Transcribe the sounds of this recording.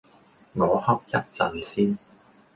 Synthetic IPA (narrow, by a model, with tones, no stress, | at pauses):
ŋɔː˨˧hɐ˥p̚jɐ˥t̚t͡sɐ˨˩nsiː˥n